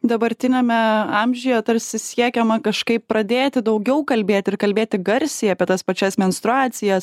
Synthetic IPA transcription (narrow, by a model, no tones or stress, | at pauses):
d̪ɐbɐɾʲt̪ʲɪnʲɛmʲɛɑmʲʒʲɪjɛt̪ɐɾʲsʲɪsʲiɛkʲɛmɐkɐʃkɐɪppɾɐd̪ʲeːt̪ʲɪd̪ɐʊɡʲɛʊkɐlʲbʲeːt̪ʲɪɪɾkɐlʲbʲeːt̪ʲɪɡɐɾʲsʲɪːɐpʲiɛt̪ɐspɐt͡ʃʲɛsmʲɛnst̪ɾʊɑːt̪sʲɪjɛs